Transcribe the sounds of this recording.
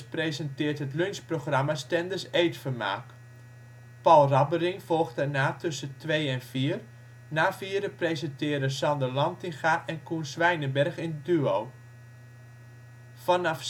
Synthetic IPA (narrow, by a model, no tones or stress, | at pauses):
prejzɛntɪːrtɦətlønsproχrɑmastɛndəsejtfəma̰ːk | pɑlˠrɑbərɪŋvɔlˠχtdɛɹnaːtʰɵsətʋejɛnviːər | naːfiːɾəprejzɛntɪːɾəsɑndəlɑntɪŋxaʔɛnkunsʋɛjnəbɛrχɪndyow | fɑnɑf